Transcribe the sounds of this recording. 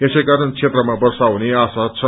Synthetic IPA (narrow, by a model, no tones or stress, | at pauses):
esejkaɾʌnt͡sʰet̪rʌmabʌrsawneasat͡sʰʌ